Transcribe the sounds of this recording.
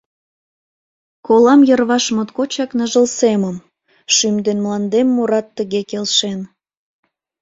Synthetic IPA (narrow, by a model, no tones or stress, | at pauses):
kolɑmjərβɑʃmot̪kot͡ɕɑknəʒəlseməm | ʃymd̪enmlɑnd̪emːuɾɑt̪ːəɣekelʃen